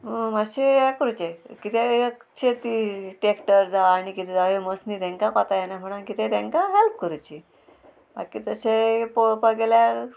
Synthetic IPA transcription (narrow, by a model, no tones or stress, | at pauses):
maɕeɦɛkəɾut͡ɕekit̪ʰekt͡ɕʰet̪iʈekʈəɾd͡zaːɽ̃ikit̪ʰɛd͡zaeməsnit̪ɛ̃ŋkakɔt̪ajenam̤əɽ̃ankit̪ʰɛ̃t̪ɛ̃ŋkaɦɛlp̚kəɾut͡ɕi | ba̰kiːt̪əsepopəɡelja